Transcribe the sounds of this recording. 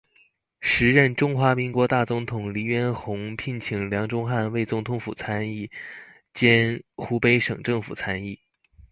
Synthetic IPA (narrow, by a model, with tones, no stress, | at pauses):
ʂɻ̩˧˥ɻə˥˩nʈ͡ʂʊ˥ŋxwa˧˥mi˧˥ŋkwɔ˧˥t̪a˥˩t͡sʊ˧˥ŋt̪ʰʊ˨˩ŋli˧˥ɥɛ˥nxʊ˧˥ŋpʰi˥˩nt͡ɕʰi˨˩ŋljɑ˧˥ŋʈ͡ʂʊ˥ŋxa˥˧nwe˥˩ɪt͡sʊ˧˥ŋt̪ʰʊ˧˥ŋfṵ˨˩t͡sʰa˥ni˥˩ | t͡ɕjɛ˥nxu˧˥pe˧˥ɪʂɤ̰˨˩ŋʈ͡ʂɤ˥˩ŋfu˨˩t͡sʰa˥ni˥˩